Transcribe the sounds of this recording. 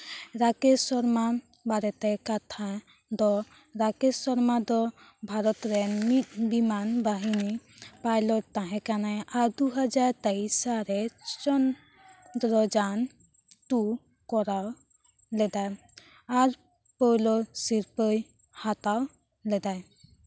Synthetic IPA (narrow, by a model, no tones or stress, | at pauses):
ɾakesɔɾma | baɾɛt̪ɛkat̪ʰa | d̪ɔ | ɾakesɔɾmad̪ɔ | bʱaɾɔt̪ɾɛnbimanbaɦinipajlɔʈ̚t̪aɦɛ̃kanajaɾd̪uɦad͡ʒaɾt̪ɛisaɾɛt͡ʃɔn | d̪ɾɔd͡ʒan | ʈu | kɔɾaw | lɛd̪aj | aɾ | pɔlɔsiɾpəj | hat̪aw | lɛd̪aj